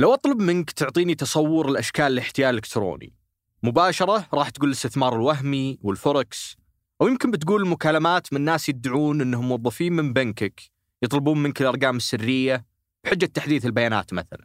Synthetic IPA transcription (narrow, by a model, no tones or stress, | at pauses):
lawʔɑt̪ˤlɑbmɪnkt̪ʊʕt̪ˤiːnit̪ɑsˤɑwːʊɾɪlʔaʃkaːllɪħt̪ɪjaːʔɪlɪkt̪ɾo̰ːnḭ | mʊbaːʃɑɾˤɑɾˤɑːħt̪ɡuːlɪst̪ɪθmɑːɾˤɪlwaɦmiwɪlfʊɾˤɑks | ʔawjɪmkɪnbɪt̪ɡuːlɪlmʊkaːlamaːt̪mɪnnːaːsjɪd̪aʕuːnʔɪnːhʊmwɑðˤːɑfiːnmɪmbankɪk | jɨt̪ˤlɪbuːnmɪnkɪlʔɑɾˤɡaːmɪsːɪrːɪjːa | b̥ħɪd͡ʒːat̪ːaħd̪iːθɪlbajaːna̰ːt̪maθa̰la̰n